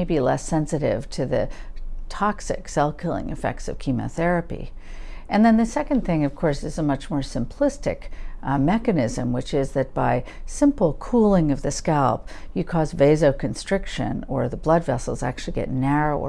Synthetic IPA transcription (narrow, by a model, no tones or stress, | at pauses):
ɪbilɛsɛ̃nsɨɾɪ̰v̥tʰɨðɨtʰɑksɨ̰ksɛlˠfkʰɪlˠɪ̰̃ŋɨ̰fɛ̰k̚tsʌ̰v̥kʰimɨ̰ʊθɛɹɨpḭ | ʔɨ̃nðɨ̃nðɨsɛkɨ̃nθɪ̃ŋʌv̥kʰɔɹsɨzəmʌt͡ʃmɔɹsɨ̃mpʰl̥ɪstɨ̰kmɛkɨnɪzɨ̰̃mwɨt͡ʃɪzðɨt̚b̥aɪsɪ̃mpl̩ˠkʰulˠɪ̃ŋʌvðɨskalˠp̚jɨkʰɔzveɪzoʊkʰɨ̃nstɹ̥ɪkʃɨ̰̃nə˞ðəblʌdvɛsl̩ˠzæ̰k̚t͡ʃʉl̩ˠiɡɛ̰tⁿnɛɹoʊ